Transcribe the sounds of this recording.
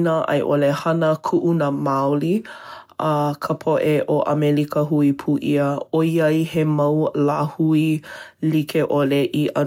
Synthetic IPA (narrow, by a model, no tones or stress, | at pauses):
nəʔɐ̰jʔo̰lehɐnəkʰuʔunamawli | kʰəpʰoʔeʔoʔɐ̰melikəɦuipʰuʔiəoiɐjhemɐwlaːhuilikʰeʔoleʔiʔɐ